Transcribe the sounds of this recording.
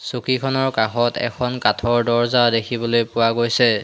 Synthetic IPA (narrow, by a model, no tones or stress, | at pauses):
sukikʰɔnɔɹkaxɔtɛ̰kʰɔnkatʰɔɹdɔɹzawdekʰibɔlojpʊwaɡojsɛ